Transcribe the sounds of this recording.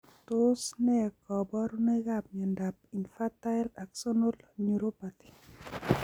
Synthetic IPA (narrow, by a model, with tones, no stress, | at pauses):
to˦snɛ˦a˨kɔ˨bɔ˦ɾu˦ne˦ɡa˦p̚ɲa˨nda˨pi˨nfa˦ta˦ɛ˦la˨kso˦no˦lɲu˨ɾo˦pa˨t̪i̥˨